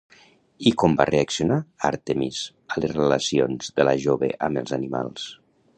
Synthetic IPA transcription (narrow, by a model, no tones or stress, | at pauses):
ikɔmbareaksiunaa̰ɾt̪emiz | əlesrəlasionzðələʒoβḛʔəmbəlˠzanima̰lˠs